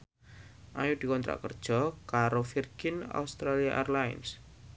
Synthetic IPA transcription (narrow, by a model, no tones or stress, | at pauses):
ʔajud̥̪ikɔnt̪ɾa̰ʔkərd̥ʒ̥ɔkaɾofirɡ̥ɪna̰ust̪ɾaliaʔarlaɪ̰ns